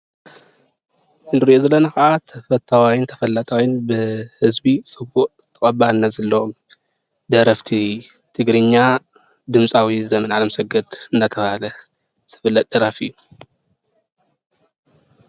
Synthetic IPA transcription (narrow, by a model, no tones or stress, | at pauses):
ʔɨnd̪ɨɾiʔozɐlːɐnɐkɐʔat̪ʰɐfɐt̪ʰːawajɪnt̪ʰɐ̥fɐlːat̪ʼawɪnbɨhɨzbisʼɨbːuʔʼt̪ʰɨkʼɐbanːazɐlːo | d̪ɐɾɐft̪ʰi | t̪ʰɨɡɾɨɲːa | d̪ɨmsʼawizɐmɐnʕalɐmsɐɡɐd̪ɨnat̪ʰɐβahalɐ | tʰɨ̥fɨlːɐt̪̚ʼd̪ɐɾafɨ̰jːu